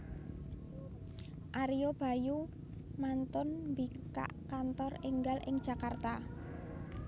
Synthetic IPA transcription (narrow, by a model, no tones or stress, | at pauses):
ʔaɾijob̥a̤ju | mant̪ʊnmbi | ka̰ʔkant̪ɔrɪŋɡalʔɪ̰ŋd̥ʒ̥a̤kart̪a